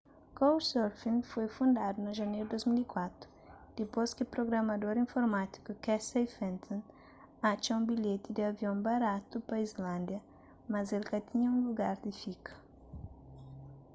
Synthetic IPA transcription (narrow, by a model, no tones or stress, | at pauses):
kowsɔɾfĩnfojfũnd̪ad̪unɐʒɐnejɾud̪ojzmilikwat̪ɾʊ | d̪̥ɪposkɪpɾoɡɾɐmɐd̪oɾĩfoɾmat̪i̥kukɛsejfɛ̃nt̪ʰõn | at͡ʃɐũbiʎet̪ɪd̪ɪɐviõbaɾat̪upɐizlãnd̪jɐ | mɐzelkɐt̪ʰiɲɐũluɡaɾd̪ɪfikɐ̥